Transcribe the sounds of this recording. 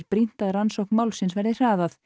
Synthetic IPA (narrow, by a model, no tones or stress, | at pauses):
ɾpɾin̥t̪aðɾansowhknmawlsɪnsvɛɾðɪr̥aːðaθ